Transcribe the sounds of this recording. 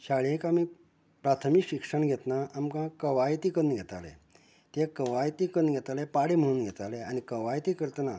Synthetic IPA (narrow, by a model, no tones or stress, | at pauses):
ɕaɭjẽkami | pɾat̪ʰəmikɕikʂəɳɡʱɛt̪naamkãkəʋajt̪iːkənɡʱɛt̪alḛ | t̪ekəʋajt̪ikənɡʱɛt̪alepaɽim̤əɽuːnɡʱɛt̪aleañikəʋajt̪ikəɾt̪na